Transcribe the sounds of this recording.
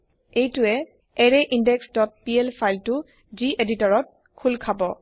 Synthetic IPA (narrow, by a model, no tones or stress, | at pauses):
ejtʊɛ | ɛɹɛʔindɛksdɔt̚pielpʰajltʊ | ziʔeditɔɹɔt̚ | kʰulkʰabɔ